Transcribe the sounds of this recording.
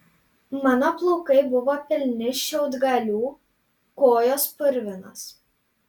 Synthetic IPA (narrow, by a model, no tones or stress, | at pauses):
mɑːnoplˠɔʊkɐɪbʊʋoːpʲɪlʲnʲɪʃʲɛʊd̪ɡɐlʲuː | koːjoːspʊɾʲʋʲɪnɐs